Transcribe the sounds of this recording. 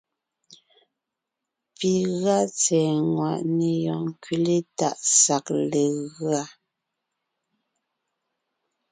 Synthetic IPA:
pi˨ɣa˦t͡sɛː˨ŋwa˨ʔne˨jɔ˨ŋ˨kɥi˦˨le˦ta̰˦˨ʔsa˨kle˨ɣɰa˦

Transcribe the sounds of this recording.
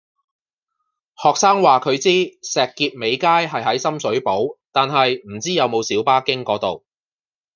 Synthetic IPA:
hɔː˨k̚saː˥ŋwaː˨kʰɵ˨˧ɥt͡siː˥sɛː˨kːiː˧p̚me˨˧jkaː˥jɦɐ˨jɦɐ˨˥jsɐ˥msɵ˨˥ɥpo˨˥wt̪aː˨nɦɐ˨jm̩˨˩t͡siː˥jɐ˨˧wmo˨˧wsiː˨˥wpaː˥kɪ˥ŋkɔː˨˥t̪o˨w

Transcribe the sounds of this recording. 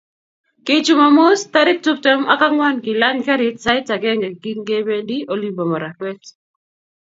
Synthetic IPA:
ket͡ʃu˦ma˨mʊ˦sta˦ɾɪ˦k̚tu˦p̚tɛ˦ma̰˦ka˦ŋwa˦nki˨la˦ŋka˦ɾɪtsa˦ɪta˨ɡɛ˦ŋɡe˨ɡi˦ɡe˦be˦ndi˦ʔo˨limbo˨ma˨ɾa˨kwɛ˦t

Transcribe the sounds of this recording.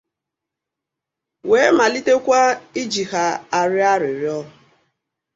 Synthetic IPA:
weː˨˦ma˨li˦te˦kʷa˦i˦d͡ʒi˨ha˨a˨ɾɪ˦a˦ɾɪ˨ɾɪ˦ɔ˦ɦʊ˨

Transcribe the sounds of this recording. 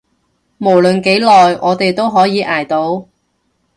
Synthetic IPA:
mo˨˩wlɵ˨nke˨˥jlɔː˨jʔɔː˨˧t̪e˨jt̪o˥wɦɔː˨˥jiː˨˧ʔaː˨˩jt̪o˨˥w

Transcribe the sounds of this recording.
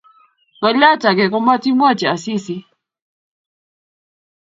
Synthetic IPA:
ka˨ʎa˦t͡ʃa˨kɛ˨kɔ˦ma˦ti˦mwa˦˨t͡ʃɛ˨a˨si˦si˨

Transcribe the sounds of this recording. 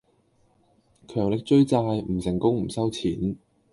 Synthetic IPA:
kʰœː˨˩ŋlɪ˨k̚t͡ʃɵ˥ɥt͡saː˧jm̩˨˩sɪ˨˩ŋkʊ˥ŋm̩˨˩sɐ˥wt͡sʰiː˨˥n

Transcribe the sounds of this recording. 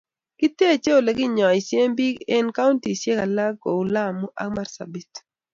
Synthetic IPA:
kɪ˦te˦˨t͡ʃe˦o˨lɛ˨ɡɪ˦ɲɔ˨i˨sje˦mbi˦ɡɛ˦nka˦u˦nti˨sje˦ka˨la˦ɡo˨u˨la˦˨mu˦ʔa̰˦k̚ma˦ɾsa̰˨bi˨t

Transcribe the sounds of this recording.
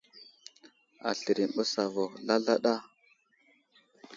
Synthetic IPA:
a̰˨ɬə˨ɾi˨m˨ɓə˦sa˨vo˨la˦ɮa˦ɗa˦

